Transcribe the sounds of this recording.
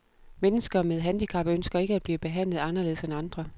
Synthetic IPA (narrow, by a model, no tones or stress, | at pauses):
menəsɡ̥ɐmeð̞ˠɦænd̥ikʰɑ̈b̥ɐønsɡ̥ɐe̝ɡ̥əæd̥̚b̥liːb̥e̝ɦæn̰lð̩ˠɑ̈nɐle̝ðˠsenɑ̈nd̥ʁɐ